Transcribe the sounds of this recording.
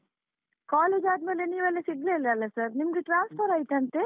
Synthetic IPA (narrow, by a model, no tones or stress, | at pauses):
kaːleːd͡ʒaːd̪meːleniːʋɐlːesiɡleːleɐlːɐsɐɾnimɡeʈɾaːnspʰɐɾaːjt̪eɐnt̪e